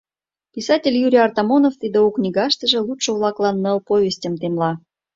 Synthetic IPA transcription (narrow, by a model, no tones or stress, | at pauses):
pʲisɑtʲelʲjuɾʲijɑrt̪ɑmonoft̪id̪euknʲiɡɑʃt̪ə̆ʒə̆lˠutʃə̆vlˠɑklˠɑnːəlpovʲesʲtʲəmt̪emlɑ